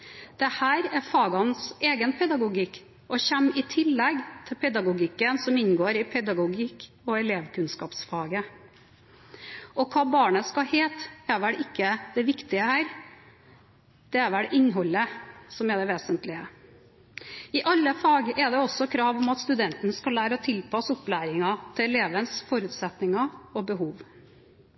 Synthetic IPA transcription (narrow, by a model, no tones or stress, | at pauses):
d̪̥ɛhæːɾɛɾfɑːɡɑnseːɡənpʰɛd̪ɑɡʊɡikː | ʔɔçɛmːɪt̪ʰɪlːɛɡt̪ʰɪlpʰɛd̪ɑɡʊɡɪkːənsɔmɪnɡoːɾɪpʰɛd̪ɑɡʊɡik | ɔɛleːʋkʰʉnskɑːpsfɑːɡə | ɔkʰɑːbɑːɳəskɑheːt̪ɛɾʋɛlɪkːəd̪ɛʋɪkt̪ɪəhæːɾ | d̪̥ɛæɾʋɛɽʔɪnɦɔlːəsɔmɛd̪ɛʋeːsənt̪lɪə | ɪʔɑlːəfɑːɡʔɛd̪ɛɔsːɔkʰɾɑːʋɔmɑt̪st̪ʉd̪ɛnt̪ənskɑlːæːɾəɔt̪ʰɪlpʰɑsɔplæːɾɪŋɑt̪ʰɪlɛleːʋənsfɔɾʉːt̪sɛt̪nɪŋɑɔbəɦuːʋ